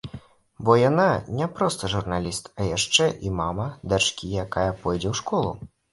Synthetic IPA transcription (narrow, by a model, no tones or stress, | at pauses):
bɔjananʲɛpɾɔst̪ɐʐurnalʲist̪ɐjaʂt͡ʂɛʔimamɐd̪at͡ʂkʲijakajɐpɔjd͡zʲɛwʂkɔlˠṵ